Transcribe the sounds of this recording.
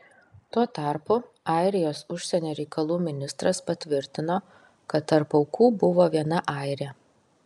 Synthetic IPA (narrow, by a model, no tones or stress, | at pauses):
t̪uɔt̪ɑˑɾpʊ | ɑˑɪɾʲɪjoːsʊʃʲsʲɛnʲoːɾʲɛɪkɐlˠuːmʲɪnʲɪst̪ɾɐspɐt̪ʲʋʲɪɾʲt̪ʲɪnoː | kɐt̪ːɐɾpɒʊkuːbʊʋoːʋʲiɛnɐʔɑˑɪɾʲɛ